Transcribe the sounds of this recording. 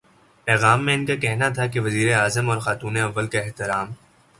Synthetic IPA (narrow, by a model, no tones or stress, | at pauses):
pɛːɣaːmːẽɪnkakɛɦnat̪ʰakeʋɐziːɾeaːzəmɔːɾxaːt̪uːneɐʋːəlkaɪɦt̪ɪɾaːm